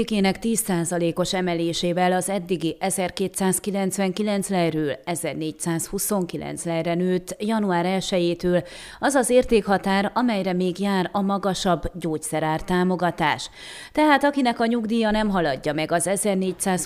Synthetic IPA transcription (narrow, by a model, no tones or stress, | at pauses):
keːnɛkt̪iːsːaːzɒleːko̞ʃɛmɛleːʃeːvɛlɒzɛd̪ːiɡiʔɛzɛrkeːt̪saːskilɛnt̪sʋɛŋkilɛnt̪slɛjrøːlɛzɛrneːcsaːshuso̞ŋkilɛ̰nt̪slɛjrɛnøːt̪jɒnuaːɾɛlʃɛjeːt̪øːl | ɒzɒzeːrt̪eːkhɒt̪aːɾɒmɛjrɛmeːɡjaːɾɒmɒɡɒʃɒbːɟoːcsɛɾaːrt̪aːmo̞ɡɒt̪aːʃ | t̪ɛɦaːt̪ɒkinɛkɒɲuɡd̪iːjɒnɛmɦɒlɒɟːɒmɛɡɒzɛzɛrneːcsaːs